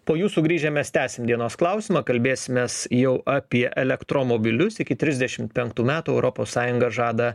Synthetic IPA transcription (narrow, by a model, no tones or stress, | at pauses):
poːjuːsuːɡɾʲiːʒʲɛːmʲɛst̪ʲæːsʲɪmd̪ʲiɛnoːsklˠɐʊsʲɪmɐkɐlʲbʲeːsʲɪmʲeːsjɛʊʔɑːpʲiɛʔɛlʲɛkt̪ɾoːmoːbʲɪlʲʊsɪkʲɪt̪ʲɾʲɪzʲd̪ʲɛʃʲɪmt̪pʲɛŋkt̪uːmʲæːt̪uɛʊɾʔopoːsːɑːjʊŋɡɐʒɑːd̪ɐ